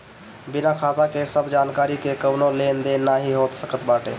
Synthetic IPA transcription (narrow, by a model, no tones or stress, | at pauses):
binakʰat̪akesəbʱd͡ʒankaɾikekənolend̪enːaɦiɦot̪səkət̪baʈe